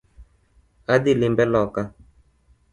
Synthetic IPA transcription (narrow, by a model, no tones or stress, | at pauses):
aɗilimbɛlɔka